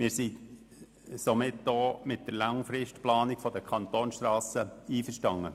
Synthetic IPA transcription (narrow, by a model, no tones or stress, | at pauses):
mɪːɾsi | somɪtdoːmɪt̚d̥əɾlɑŋfɾɪʃtplɑːnɪkfɔdəkʰɑnt̪oːnsʃtrɑːsəiːfəʃtɑŋːə